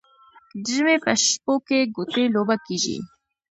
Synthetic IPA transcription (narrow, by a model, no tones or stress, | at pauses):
ɖimepəʃpokeɡut̪elobakiʒḭ